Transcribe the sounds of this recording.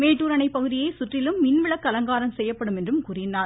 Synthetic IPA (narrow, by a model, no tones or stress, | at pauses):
meːʈːuːɾɐɳɐɪpːɐɣɯðɪjɐɪsʊʈrɪlɯmːɪnʋɪɭɐkːɐlɐŋɡaːɾɐmsɛjːɐpːɐɽɯmɛndrɯmkuːɾɪnːaːɾ